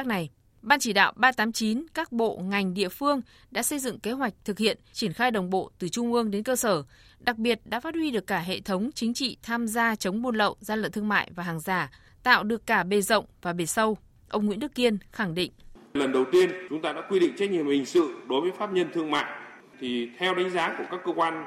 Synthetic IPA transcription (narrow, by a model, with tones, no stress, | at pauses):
na˨˩j | ɓaː˧nt͡ɕi˧˩ɗa̰ː˧˨wɓaː˧t̪aː˨˦mt͡ɕi˨˦nkaː˦˥k̚ɓo̰˧˨ŋa˨˩jŋ̟ɗḭ˧˨əfɨ˧əŋ | ɗa̰ː˧˥sə˧jzɨ̰˧˨ŋke˨˦ɦwa˨˩jk̟̚t̪ʰɨ˨˩k̚hḭ˧˨ənt͡ɕi˧˩ənxaː˧jɗə˨˩wŋ͡mɓo̰˧˨t̪ɨ˨˩t͡ɕʊ˧ŋ͡mʔɨ˧əŋɗe˨˦nkəː˧səː˧˩ | ɗa˨˩k̚ɓi˨˩ət̚ɗa̰ː˧˥faː˦˥t̚hwi˧ɗɨ˨˩əkːaː˧˩ɦḛ˧˨t̪ʰə˨˦wŋ͡mt͡ɕï˨˦ŋ̟t͡ɕḭ˧˨t̪ʰaː˧mzaː˧t͡ɕə˨˦wŋ͡mɓo˧nlə̰˧˨wzaː˧lə̰˧˨nt̪ɨ˧əŋma̰ː˧˨jvaː˨˩ɦaː˨˩ŋzaː˧˩ | t̪a̰ː˧˨wɗɨ˨˩əkːaː˧˩ɓe˨˩zə̰˧˨wŋ͡mvaː˨˩ɓe˨˩sə˧w | ʔə˧wŋ͡mŋwḭ˧˥nɗɨ˦˥kːi˧ənxa˧˩ŋɗḭ̈˧˨ŋ̟lə˨˩nɗə˨˩wt̪i˧ənt͡ɕʊ˨˦ŋ͡mt̪aː˧ɗa̰ː˧˥kwi˧ɗḭ˧˨ŋ̟t͡ɕɛ˦˥t̚ɲḭ˨əmhï˨˩ŋ̟sɨ̰˧˨ɗo˨˦jvəː˨˦jfaː˦˥p̚ɲə˧nt̪ʰɨ˧əŋma̰ː˧˨j | t̪ʰi˨˩t̪ʰɛ˧wɗə˨˦ŋzaː˨˦ku˧˩əkaː˦˥kːəː˧kwaː˧n